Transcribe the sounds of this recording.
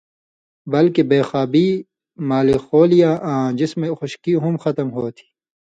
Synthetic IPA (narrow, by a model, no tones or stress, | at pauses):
bɐlkebeːxaːbiː | maːlixoːlijaːʔãːd͡ʑɪsmẽxʊʃkiɦumxɐt̪ɐmɦoːt̪ʰi̥ː